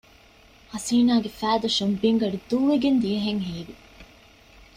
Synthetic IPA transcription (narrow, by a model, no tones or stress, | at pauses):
hɐsiːnaːɡefæːd̪uʃumbiŋɡɐɖid̪uːʋeɡend̪ijɐɦeŋɦiːʋi